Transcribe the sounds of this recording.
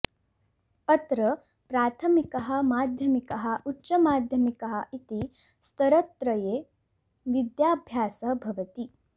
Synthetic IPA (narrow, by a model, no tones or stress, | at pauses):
pɐt̪ɾɐ | pɾaːt̪ʰɐmikɐɦɐ̆maːd̪ʱjɐmikɐɦɐ̆ʔutːʃɐmaːd̪ʱjɐmikɐɦɐ̆it̪i | st̪ɐɾɐt̪ɾɐjeː | ʋid̪jaːbʱjaːsɐbʱɐʋɐt̪i